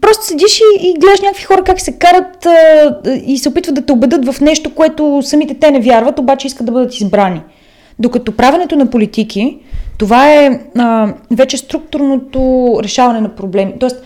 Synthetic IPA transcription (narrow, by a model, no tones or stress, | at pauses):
pɾɔst̪o̥sɛd̪iʃiːɡlɛd̪əʃnʲɲʲakəkvixɔɾəkaksɛkaɾət̪ə | isɛopit̪vət̪d̪ɐt̪ɛobɛd̪ɤt̪vɐfnɛʃt̪okoɛt̪osɐmit̪ɛt̪ɛnɛvjaɾvɐt̪obat͡ʃɛiskət̪d̪ɐbɤd̪ət̪izbɾani | d̪okɐt̪ɔpɾavɛnɛt̪onɐpolit̪ikʰit̪ovaɛəvɛt͡ʃɛst̪ɾuk̚t̪uɾnot̪oɾɛʃavɐnɛnɐpɾoblɛmit̪ɔɛst̪